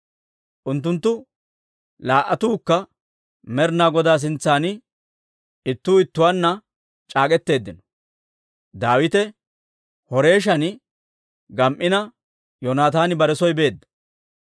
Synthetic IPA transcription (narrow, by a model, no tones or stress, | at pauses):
ʔʊnt̪ːʊnt̪ːʊ | laːʔːɐt̪uːkːɐ | mɛɾnaːɡɔd̪aːs̬ɪnt͡sːaːnɪ | ɪt̪ːuːɪt̪ːʊwaːnːɐ | t͡ʃʼaːkʼɛt̪ːe̞ːd̪ːɪnɔ̥ | d̪aːwɪt̪ɛ | hɔɾe̞ːʃ̬ɐn | ɡɐmʔɪnɐ | jɔnaːt̪aːnɪbɐɾɛsɔjbe̞ːd̪ːɐ̥